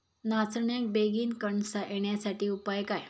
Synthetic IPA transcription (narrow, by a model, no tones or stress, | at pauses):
nat͡sɳjək̚beɡiːnkəɳsaʔeɳjasaʈiːupajkaj